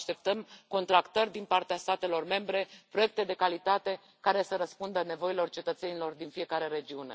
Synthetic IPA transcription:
ʃt̪e̞p̚t̪əmko̞nt̪ɾakt̪ərʲd̪inpart̪east̪at̪e̞lo̞rme̞mbɾe̞pɾoe̞k̚t̪e̞d̪e̞kalit̪at̪e̞ | kaɾe̞səɾəspund̪əne̞vo̞ilo̞rt͡ʃe̞t̪ət̪se̞nilo̞rd̪infie̞kaɾe̞ɾe̞d͡ʒiune̞̰

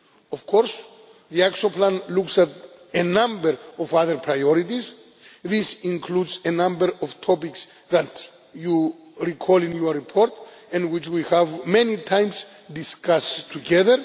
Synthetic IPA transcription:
ɔvkʰɔɾs | ðiakʃõplãnluksat̪ | enãmbəɾɔvaðəɾpʰɹajɔɾit̪iz | ðisĩŋkʰludsenãmbəɾɔvt̪ʰɔpiks | ðat̪ | juɹikʰɔlĩnjuɹipʰɔɾt̪ | ɛ̃nwit͡ʃwihævmɛnit̪ʰãj̃ms | d̪iskastʰːuɡɛðəɹ

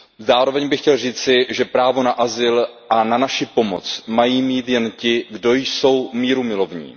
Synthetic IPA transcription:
zaːɾo̞vɛɲbɪxcɛlriːt͡sɪʒɛpɾaːvo̞naʔazɪlʔananaʃɪpo̞mo̰t͡smajiːmiːt̪jɛncɪɡdo̞jso̞wmiːɾumɪlo̞vɲḭː

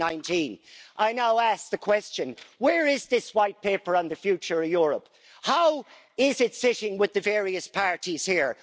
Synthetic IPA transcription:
ãɪ̃ntʰĩnʔaɪnaʊæsk̚ðɨkʰw̥ɛst͡ʃɨ̃nwə˞ɪzðɪswaɪt̚pʰeɪpə˞ə̃nðɨfjʉt͡ʃə˞ʌvjʊɹəp | haʊ | ɪzɪtsɪɾɪ̃ŋwɪðɨvɛɹiɨspʰɑɹɾiz̥hiɹ

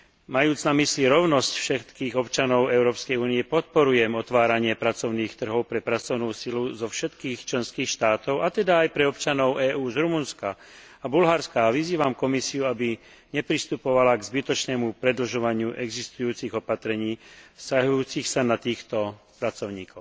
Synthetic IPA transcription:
majuːd͡znamisliɾɔʊnɔscfʃɛt̪kiːɣɔpt͡ʃanɔʊɛʊɾɔːpskɛjuːniɛpɔt̪̚pɔɾujɛmɔt̪ʋaːɾaɲɪɛpɾat͡sɔʊniːxt̪r̩ɦɔʊpɾɛpɾat͡sɔʊnuːsiluzɔfʃɛt̪kiːxt͡ʃlɛnskiːxʃt̪aːt̪ɔʊʔat̪ɛd̪aːjpɾɛɔpt͡ʃanɔʊʔɛːʔuːzɾumunska | abulɦaɾskaʋiziːʋamkɔmisiuabi | ɲɛpɾist̪upɔʋalaɡzbit̪ɔt͡ʃnɛːmupɾɛd̪l̩ʒɔʋaɲɪuʔɛɡzist̪ujuːt͡siɣɔpat̪ɾɛɲiːscaɦujuːt͡sixsanat̪iːxt̪ɔ | pɾat͡sɔʊɲiːkɔʊ

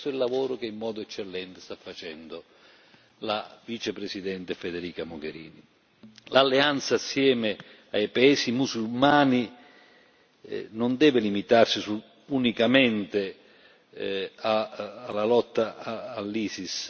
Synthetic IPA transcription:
ʊilːavoːɾʊkeimːɔːd̪ʊɛt͡ʃːelːɛnt̪ɪ̥st̪afːat͡ʃɛnd̪ʊ | lavit͡ʃepɾesid̪ɛnt̪efed̪ɛɾiːkamʊɡeɾḭːni | lalːeant̪saːsːjɛːmɪ | ajpaɛːsimusulmaːni | nʊnd̪ɛːvɪlimit̪arsisu | unikamɛnt̪e | aːlːalɔt̪ːaːlːiːsis

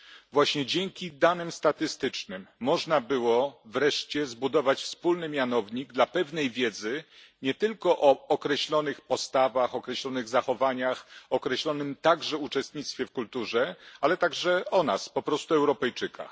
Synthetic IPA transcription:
vwaɕɲɛd͡ʑɛŋkʲid̪anɘmst̪at̪ɘst̪ɘt͡ʂnɘmːɔʐnabɘwɔvɾɛʂt͡ɕɛzbud̪ɔvat͡ɕfspulnɘmʲjanɔvɲiɡ̚d̪lapɛvnɛjvʲjɛd̪zɘɲɛt̪ɘlkɔʔɔɔkɾɛɕlɔnɘxpɔst̪avaxɔkɾɛɕlɔnɘɣzaxɔvaɲaxɔkɾɛɕlɔnɘmt̪aɡʐɛut͡ʂɛst̪ɲit̪st̪fʲjɛfkult̪uʐɛalɛt̪aɡʐɛɔnaspɔpɾɔst̪uɛwɾɔpɛjt͡ʂɘka̰

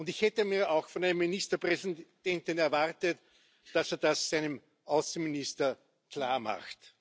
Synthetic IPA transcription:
ʊntɪçhɛtəmiːɐɑʊxfɔnæɪnəmːinistɐpʁɛsid̥ɛntɪnɛɐvaʁtət | d̥aseːɐdasːæɪnəm | ʔaʊsn̩ministɐ | kʰl̥a̰ːɐma̰xt

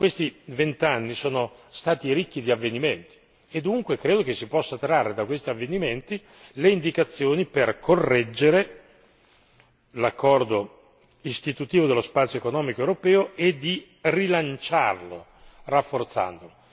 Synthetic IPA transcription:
kwest̪ivent̪anːisoːnost̪aːt̪iɾikːid̪iavːeniment̪i̥ | ed̪ːuŋkwekɾeːd̪okesipɔsːat̪ɾarːed̪akwest̪iavːeniment̪i | leind̪ikat̪sːjoːniperkʰorːɛd͡ʒːeɾe | lakːɔrd̪o | ist̪it̪ut̪iːvod̪elospat̪sjoekonɔːmikoewɾopɛːoed̪i | rilant͡ʃa̰rlo̰ | rafːort̪sa̰nd̪olo

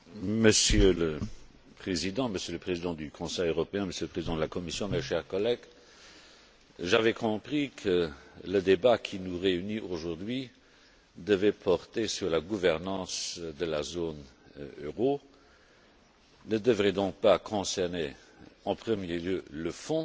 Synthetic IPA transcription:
məsjølə | pχezid̪ɑ̃məsjøləpχezid̪ɑ̃d̪ykʰɔ̃sɛjøʁɔpeɛ̃məsjøləpχezid̪ɑ̃d̪əlakɔmisjɔ̃mɛʃɛːʁkɔlɛɡ | ʒavɛkʰɔ̃pχikʰələd̪ebakʰinuʁeynioʒuʁd̪ɥi | d̪əvɛpʰɔʁt̪esyʁlaɡuvɛʁnɑ̃ːsd̪əlazon | øʁo | nəd̪əvʁɛd̪ɔ̃k̚pakʰɔ̃sɛʁneɑ̃pχəmjeljøləfɔ̃

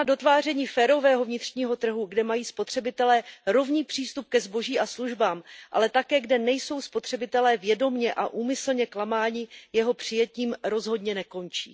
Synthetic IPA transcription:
ado̞t̪vaːr̝ɛɲiːfɛːɾo̞vɛːɦo̞vɲɪt̪r̝̥ɲiːɦo̞t̪r̩ɦuɡdɛmajiːspo̞t̪r̝̥ɛbɪt̪ɛlɛːɾo̞vɲiːpr̥iːst̪up̚kɛzbo̞ʒiːʔasluʒbaːmʔa̰lɛt̪akɛːɡdɛnɛjso̞wspo̞t̪r̝̥ɛbɪt̪ɛlɛːvjɛdo̞mɲɛʔaʔuːmɪsl̩ɲɛklamaːɲɪjɛɦo̞pr̝̥ɪjɛciːmɾo̞zɦo̞dɲɛnɛko̞nt͡ʃḭː

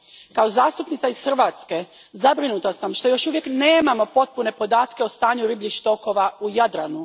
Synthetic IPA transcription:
kaozaːst̪upnit̪saisxr̩ʋat̪ske̞ | zabɾinut̪asamʃt̪o̞jo̞ʃuʋje̞kneːmamo̞po̞t̪̚pune̞po̞d̪aːt̪ke̞ost̪aːɲuɾibliʃt̪o̞ko̞ʋaujad̪ɾanu

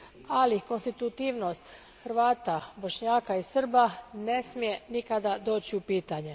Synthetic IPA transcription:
aliko̞nst̪it̪ut̪iːʋno̞st̪ | xɾʋaːt̪abo̞ʃɲaːkaisr̩bane̞smije̞nikad̪ad̪o̞ːt͡ɕiupiːt̪aɲe̞

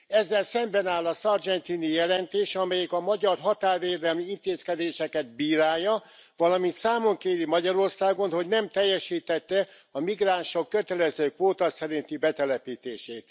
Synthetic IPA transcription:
ɛzːɛlsɛmbɛnaːlːɒsɒrd͡ʒɛnt̪inijɛlɛnt̪eːʃɒmɛjɛkɒmɒɟɒrɦɒt̪aːrveːd̪ɛlmiint̪eːskɛd̪eːʃɛkɛd̪̚biːɾaːjːɒ | ʋɒlɒmint̪saːmoŋkeːɾimɒɟɒɾo̞rsaːɡo̞nho̞ɟnɛmt̪ɛjːɛʃiːt̪ɛt̪ːɛ | ɒmiɡraːnʃokːøt̪ɛlɛzøːkʋoːt̪ɒsɛɾint̪ibɛt̪ɛlɛpiːt̪eːʃeːt̪

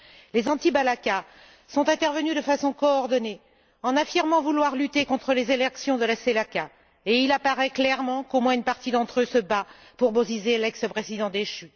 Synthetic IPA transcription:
lezɑ̃t̪ibalaka | sɔ̃t̪ɛ̃t̪ɛʁvənyd̪əfasɔ̃kɔːʁd̪ɔne | ɑ̃nafiʁmɑ̃vulwaʁlyt̪ekɔ̃t̪χəlezelɛksjɔ̃d̪əlaselaka | eilapaʁɛklɛʁmɑ̃komwɛ̃ynpaʁt̪id̪ɑ̃t̪χøsəba | puʁbozizelɛksəpχezid̪ɑ̃d̪eʃy

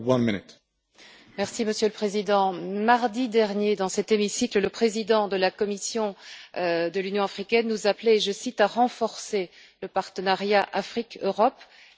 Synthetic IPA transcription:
wʌ̃nmɪnɪt | mɛʁsiməsjøləpχezid̪ɑ̃maʁd̪id̪ɛʁnjed̪ɑ̃sɛt̪emisiklələpχezid̪ɑ̃d̪əlakɔmisjɔ̃ | d̪əlynjɔ̃afχikʲɛnːuzapleːʒəsit̪aʁɑ̃fɔʁse | ləpaʁt̪ənaʁjaʔafχikøʁɔp

